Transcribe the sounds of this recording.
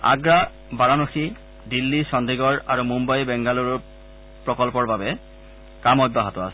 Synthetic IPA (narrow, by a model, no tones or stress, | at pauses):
a̰ɡɹa | baɹanoxi | dilːisɔndiɡɔɹaɹumumbajbɛŋɡaluɹ | pɹɔkɔlpɔɹbabɛ | kamɔjbaɦatɔa̰sɛ